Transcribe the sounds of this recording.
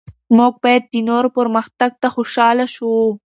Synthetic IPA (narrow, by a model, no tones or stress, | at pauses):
moɡ̚bɑjad̪̚ːinoɾopəɾməxt̪aɡ̚t̪axoʃɑlaʃu